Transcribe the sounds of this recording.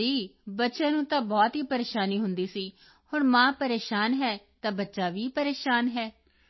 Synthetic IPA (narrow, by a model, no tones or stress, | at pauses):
iːbətːʃãːnũːt̪ãːbɔːt̪ɦiːpəɾeːʃaːniːɦʊnd̪iːsiː | hʊɳmãːpəɾeːʃaːnɦɛːt̪ãːbətːʃaːʋiːpəɾeːʃaːnɦɛː